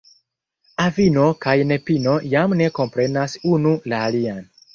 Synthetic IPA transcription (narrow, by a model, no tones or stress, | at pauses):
avino̞kajne̞pino̞jamne̞ko̞mpɾe̞nasunulaːlian